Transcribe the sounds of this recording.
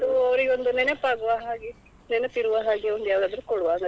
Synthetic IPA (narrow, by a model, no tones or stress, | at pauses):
ɐd̪uɐʋɐɾiɡond̪unɛnepaːɡuʋaɦaːɡi | nɛnet̪iɾuʋaɦaːɡiond̪ujaːʋɐd̪aːd̪ɐɾukɔɽuʋaːŋɡɐ